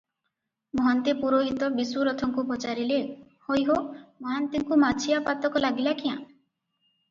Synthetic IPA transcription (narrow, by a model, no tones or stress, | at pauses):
mɔɦant̪epuɾoɦit̪ɔbisuɾɔt̪ʰɔŋkupɔt͡ʃaɾile | hojɦomɔɦant̪eŋkumat͡ʃʰijapat̪ɔkɔlaɡilakiã̰